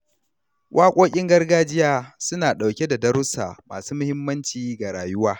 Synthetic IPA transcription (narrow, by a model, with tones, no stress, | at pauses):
wʔaː˦kʷʼoː˦kʲʼɪ˦ŋɡɐ˦rɡaː˦d͡ʒɪ˦jaː˦sʊ˦naː˨ɗa˨wkʲe˦da˨dɐ˦ɾʊ˦sa̰ː˨ma̰ː˨suː˦mʊ˦hɪ˦mːɐ˦nt͡ʃiː˨ɡa˨ɾaː˨jʊ˦waː˦